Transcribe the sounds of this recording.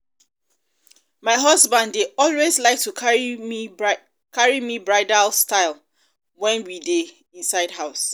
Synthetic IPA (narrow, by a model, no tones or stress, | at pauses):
maɪɦʌzbãndːeɔlwezlaɪk̚tu | kʰaɹimibɹaɪdalstaɪl | wɛ̃nwide | ĩnsaɪdɦaʊs